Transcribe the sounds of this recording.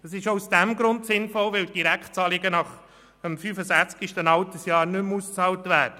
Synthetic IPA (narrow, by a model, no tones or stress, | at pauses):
d̥ɑsɪʃousd̥æmɡɾʊntsɪnfɔlʋɪld̥iɾækχtt͡sɑːlɪɡənɑχ | əmfyfəsæχt͡skiʃtənɑltəsjɑːɾnʏmust͡sɑːltvæːɾd̥ə